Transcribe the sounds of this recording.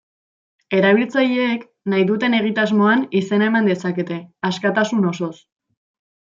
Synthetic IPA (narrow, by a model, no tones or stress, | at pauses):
e̞ɾaβ̞ilt͡saʎeːk | najðut̪e̞ne̞ɣ̞it̪azmo̞anise̞nae̞mand̪e̞sake̞t̪e̞askat̪asuno̞so̞s